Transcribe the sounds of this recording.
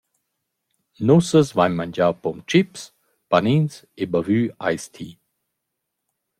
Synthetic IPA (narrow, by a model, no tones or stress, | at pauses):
nusəsvaɲmand͡ʒawpɔmt͡ʃips | panins | ebavyːa̰jst̪ʰiː